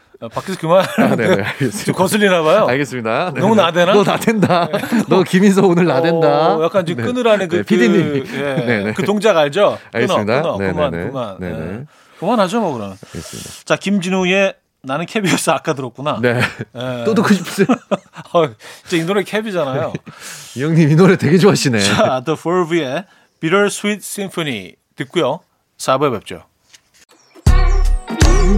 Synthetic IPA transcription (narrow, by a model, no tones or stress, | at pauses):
pak͈ʰisʰkɯmaɾɯɯɡest͡ɕomkʌsʰɯɭːinabajoaɭɡes͈ɯmɲidanʌmunadwenanadendanʌkimis̬ʰʌonɯɭnadendajak͈anid͡ʑɯmk͈ɯnɯɾanɯnk̬ɯiɯije̞kɯtoŋd͡ʑaɡaɭd͡ʑʌaɡɯenʌɲidaɯnanɯankɯman̰ḛ | kɯmanhad͡ʑomokɯɾʌmjʌnɡesit͡ɕakimd͡ʑinuje̞ | nanɯnkʰebiʌs͈ʌak͈adɯɾʌk͈̚unanejeodokʰɯɕipʰs͈ | ʌid͡ʑeinoɾekʰebid͡ʑanajoijʌŋɲiminoɾetweɡed͡ʑoaɕʰinet͡ɕad̪ɯfʰoɭbie̞ | piɾʌɭsʰuit̚s͈imfʰoɲḭ | tɯk͈ujo | sabebep̚t͡ɕ͈o̰